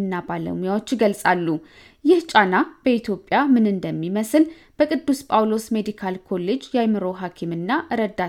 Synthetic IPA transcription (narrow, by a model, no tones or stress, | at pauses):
ɨnːabalə̰mujawot͡ʃːɡəlsʼalːu | jɪht͡ʃʼanab̥əit̪ʰjo̞pʼːjamɨnɨnd̪əmːiməsɨl | b̥əkʼɨd̪ːuspʼawlo̞sme̞d̪ikʰalkʰo̞le̞d͡ʒjajmɨɾo̞ɦakʰimɨnːaʔɨɾəd̪ːa